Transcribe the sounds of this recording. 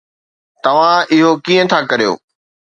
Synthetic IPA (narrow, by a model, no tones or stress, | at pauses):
t̪ɐʋ̤ãɪɦokiːə̃t̪ʰakɐɾijo̰ː